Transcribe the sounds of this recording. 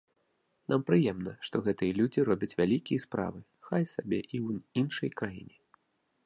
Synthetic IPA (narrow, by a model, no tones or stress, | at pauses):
nampɾɨjɛmnɐʂt̪ɔɣɛt̪ɨjɐlʲud͡zʲiɾɔbʲɐt͡sʲvʲalʲikʲijɐspɾa̰vɨ | xajsabʲɛʔiwinʂɐjkɾajḭnʲɛ